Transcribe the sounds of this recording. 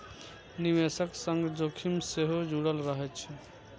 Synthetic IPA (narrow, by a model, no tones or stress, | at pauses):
nimesəksəŋɡd͡ʒokʰimseɦod͡ʒuɽəlɾəɦɛt͡ʃʰɛ